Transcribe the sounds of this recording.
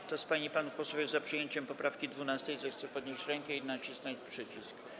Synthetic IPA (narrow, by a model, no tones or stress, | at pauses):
t̪ɔspaɲipanufpɔswɔvʲjuzapʂɨjeɲt͡ɕɛmpɔpɾʔafkʲid̪vunast̪ɛjzɛft̪sɛpɔd̪ɲeɕt͡ɕɾɛŋkɛinat͡ɕisnat͡ɕpʂɘt͡ɕisk